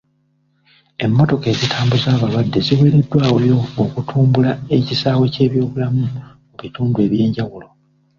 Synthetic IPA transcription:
e̞mːo̞to̞ke̞ːzitʰaːmbuzaːβaβadːe̞ziwe̞ːɾe̞dːwaːwejo̞ːkutʰuːmbulae̞cisaːwe̞ce̞ːβjo̞ːβulamumuβituːndue̞βje̞ːɲɟawulo̞

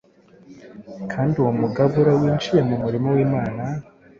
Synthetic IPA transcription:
kʰaːndiuwomuɡaβuɾawiːnt͡ʃije̞mumuɾimowiːmaːna

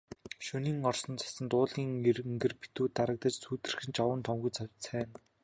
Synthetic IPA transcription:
ʃɵniːŋɔrsɞ̆nt͡sʰḁsə̆nt̪ʊːɮɣʲiːŋerŋɡɘ̆rpi̥t̪uːt̪aɾə̆k̚t̪ə̆t͡ɕsuːt̪ɘ̆rxɘ̆nt͡ɕɔwə̆nt̪ʰɔmɣujt͡sʰawsæːn

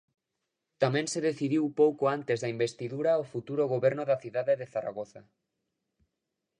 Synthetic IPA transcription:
t̪amɛ̃nseðeθiðiwpowkoant̪ezðaimbest̪iðuɾaofut̪uɾoɣoβɛɾnʊðaθiðaðeðeθaɾa̰ɣoθa̰

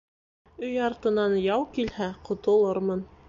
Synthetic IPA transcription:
ɵjɑɾt̪ɤ̆nɑnjɑwkilhæqŏt̪ŏlˠɤɾmɤn

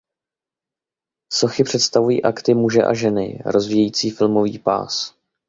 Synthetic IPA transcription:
so̞xɪpr̥ɛt̪st̪avujḭːʔakt̪ɪmuʒɛ̰ʔa̰ʒɛnɪ̰ɾo̞zviːjɛjiːt͡siːfɪlmo̞viːpa̰ːs

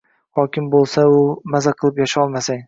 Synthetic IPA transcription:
hɒkʲɪmbolˠsaʊmazaqʰɨlˠɪpjaʃaɒlˠmasaŋ

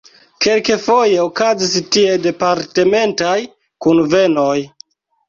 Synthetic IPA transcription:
ke̞lke̞fo̞je̞okazis̬tie̞de̞paɾte̞me̞ntaj | kunve̞no̞j

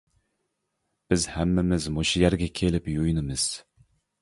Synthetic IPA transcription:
b̥ɪzhæmːɪmɪzmoʃijæɾɡʲɛkʲʰelɪpjujnɨmɨz̥

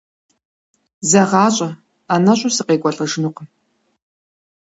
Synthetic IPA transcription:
zɐʁɑːɕʼɐ | anɐɕʼʊsɨqeːkʷʼɔɬʼɐʐɨnuqəm

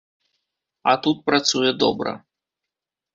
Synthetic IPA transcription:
ɐt̪ut̪̚pɾat̪sujɛd̪ɔbɾɐ̰

